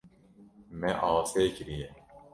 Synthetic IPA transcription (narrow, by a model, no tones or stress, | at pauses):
mɛʔɑːseːkɾijɛ